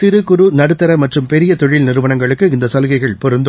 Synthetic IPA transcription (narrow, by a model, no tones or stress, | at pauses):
t̪ɪɾɯkʊɾunɐɽɯt̪ːɐɾɐmɐʈrɯmpɛɾɪjɐt̪ɔɻɪlnɪɾɯʋɐɳɐŋɡɐɭɯkːɯɪnd̪ɐsɐlɣɐɪɣɐɭpɔɾɯnd̪